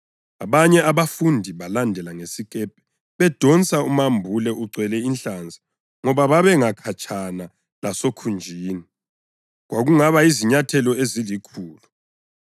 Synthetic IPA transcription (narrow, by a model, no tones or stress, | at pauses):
aβaɲɛaβafundʱiβalandʱɛlaŋesikʼɛpʰɛ̥ | βɛd̥ʱɔnt͡sʼaumambʱulɛʔuǀwɛlɛinɬand͡zʱḁ | ŋɔβaβaβɛŋakʰat͡ʃʰʼana | lasokʰund͡ʒʱiːni | ɣwaɣuŋaβaiziɲatʰɛlɔezilikʰuːlu